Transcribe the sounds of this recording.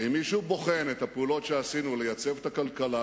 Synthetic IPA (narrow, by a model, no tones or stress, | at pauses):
imːiʃubo̞χe̞net̪hapeulo̞tʃeasinulejat͡se̞vet̪akalkala